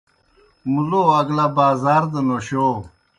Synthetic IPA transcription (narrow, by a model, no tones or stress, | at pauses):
muloɐɡlabaːzaːɾd̪enoɕo